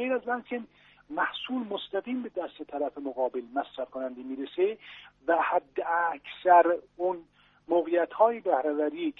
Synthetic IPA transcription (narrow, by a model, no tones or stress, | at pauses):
ejɾæzmænkʰen | mæhsuːlmost̪æɣiːmbed̪æst̪et̪ʰæɾæfemoɣɒːbelmæsɾæfkʰonænd̪emiːɾesevæhæd̪ːeækʰsæɾʊn | moɣejæt̪hɒːjebæhɾævæɾiː